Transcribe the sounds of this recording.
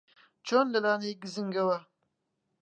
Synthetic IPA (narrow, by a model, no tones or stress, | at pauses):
t͡ʃondɐlaːnaɡizɨŋɡɐwa